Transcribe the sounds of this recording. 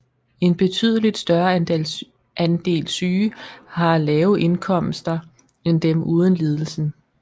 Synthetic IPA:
e̝nb̥e̝t͡sʰy̰ð̞̰ˠəlid̥sd̥ɶɐ | ʔænd̥e̝̰ːlsyːhɑ̈lɛːʊʔe̝nkʰɒ̽m̰sd̥ɐ | end̥emʔuːð̞ˠənle̝ːð̞ˠl̩sn̩

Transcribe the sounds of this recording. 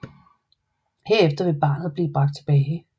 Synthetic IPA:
heɐ̰efd̥ɐʋe̝b̥ɑ̈ːnð̩ˠb̥liːb̥ʁɑ̈ɡ̥d̥̚t͡sʰe̝b̥ɛːɪ

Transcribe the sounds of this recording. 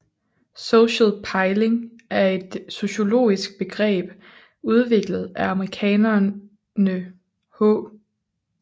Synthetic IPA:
soɕəlpʰɑ̈ɪle̝ŋæɐe̝d̥so̝ɕo̝lo̝̰ːisɡ̥̚b̥e̝ɡ̥ʁɛ̰ːb̥ | uð̞ˠʋe̝ɡ̥ləð̞̩ˠæɑ̈məʁikʰɛ̰ːnɐ | nə | hɔ̰ː

